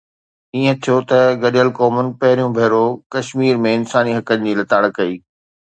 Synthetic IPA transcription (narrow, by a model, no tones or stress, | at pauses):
iːə̃t̪ʰijot̪ɐɡɐɗjəlkɔːmənɪ̆pɐɦɪɾijũbʱɐːɾokɐʃmiːɾmẽɪnsaːniɦɐkənɪ̆d͡ʑiːlɐt̪aːɽkɐiː